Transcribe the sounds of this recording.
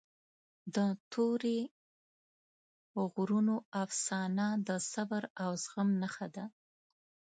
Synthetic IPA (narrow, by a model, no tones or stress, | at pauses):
d̪ət̪ʰoɾe | ɣɾunoafsɑnad̪əsabaɾawzɣəmnaxad̪a